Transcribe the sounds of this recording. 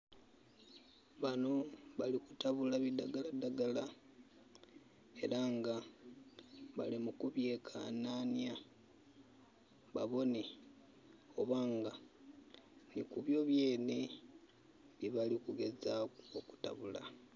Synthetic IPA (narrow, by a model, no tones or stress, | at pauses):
βano̞βalikutaβulaβidaɡaladaɡala | e̞ɾaŋɡa | βa̰limukuβje̞ːkʰa̰nanja | βa̰βo̞ne | oβaːŋɡa | nikuβjo̞βjeːne | βiβalikuɡe̞zaoku̥ta̰βula̰